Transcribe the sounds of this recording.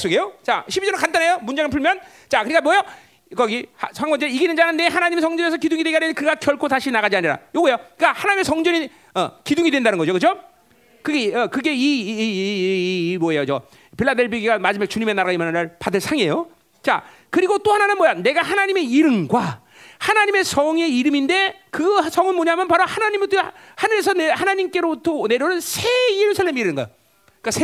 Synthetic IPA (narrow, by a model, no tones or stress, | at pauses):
s͈oɡe̞jot͡ɕa̰ɕʰibid͡ʑʌɾɯnkantʰanejomund͡ʑeŋɯɭpʰuɭmjʌn | t͡ɕakɯɾik͈amwʌjʌ | kʌɡihsʰaŋɡwʌnd͡ʑeiɡinɯnd͡ʑanɯnːe̞ɦanaɲimesʰʌŋd͡ʑʌnesʰʌkiduŋidweɡianekɯɡakjʌɭkʰosaɕʰinaɣad͡ʑiaɲiɾa̰joɡoejok͈ahanaɲimesʰʌŋd͡ʑʌɲi | ʌkiduŋidwe̞ndanɯnɡʌd͡ʑokɯd͡ʑo | kɯɡeʌkɯɡe̞i | mʌɦe̞jot͡ɕʌ | piɭːadeɭbijiɡiɡamad͡ʑimaɡet͡ɕuɲime̞naɾaɣaimanaɾaɭpadɯɭsʰaŋe̞jo | t͡ɕa̰ | kɯɾiɡot͈ohananɯnmʌjane̞ɡahanaɲime̞iɾɯmɡwa | hanaɲime̞sʰʌŋe̞iɾɯminde̞kɯsʰʌŋɯnmoɲaɦamjʌnpaɾohanaɲimit | hanes̬ʰʌnehanaɲimk͈e̞ɾobutʰʌne̞ɾonɯnsʰe̞iɾɯmsʰaɭːamiɾɯnɯnɡʌjo | k͈asʰe